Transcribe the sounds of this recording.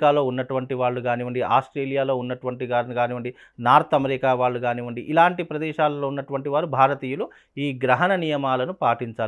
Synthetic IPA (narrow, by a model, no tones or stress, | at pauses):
kaːlo̞ːunːɐʈuʋɐɳʈiʋaːɭːuɡaːniːʋɐɳɖiaːsʈɾeːlijaːlo̞ːunːɐʈuʋɐɳʈiɡaːɾniɡaːniːʋɐɳɖi | naːɾt̪ɐmɾikaːʋaːɭːuɡaːniːʋɐɳɖiʔilaːɳʈipɾɐd̪ɛːʃaːlɐloːunːɐʈuʋɐɳʈiʋaːɾubʱaːɾɐt̪iːjulu | iːɡɾɐɦɐnɐnijɐmaːlɐnupaːʈiɲt͡ʃaːl